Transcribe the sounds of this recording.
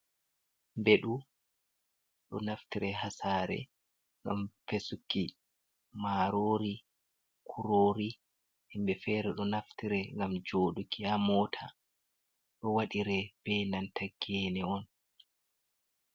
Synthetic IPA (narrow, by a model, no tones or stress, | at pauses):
mbeɗu | ɗɔ̰naftiɾʔɛɦasaːɾɛ̰ | ŋɡa̰mfesukːi | maːɾoːɾi | kʰuɾoːɾi | himbɛfɛɾɛɗɔnaftiɾɛŋɡamd͡ʒoːɗukiamɔːtʰa | ɗɔwaɗiɾɛb̥ɛnantaɡɛnɛɔn